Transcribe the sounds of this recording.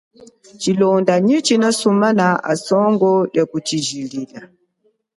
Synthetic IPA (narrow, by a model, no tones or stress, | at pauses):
t͡ʃilɔndaɲit͡ʃinasumanaʔa̰sɔŋɡɔɗjakut͡ʃiʒilila